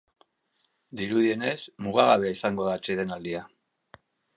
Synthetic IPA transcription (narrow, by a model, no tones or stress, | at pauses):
d̪iɾuðie̞ne̞smuɣ̞aɣaβe̞aisaŋɡo̞ðat͡ʃeðe̞nald̪ia